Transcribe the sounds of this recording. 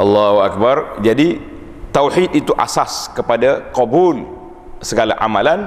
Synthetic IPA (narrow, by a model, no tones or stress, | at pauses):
ʔalːahuak̚bard͡ʒadi | t̪awħit̪it̪uʔa̰saskəpadaqɔbul | səɡala̰ʔa̰malan